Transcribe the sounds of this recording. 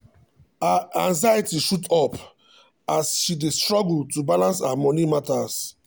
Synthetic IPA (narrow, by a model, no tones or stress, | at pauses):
aãŋzajitiʃutɔp | asʃidestɹɔɡl̩tubalãnsaamɔnimatas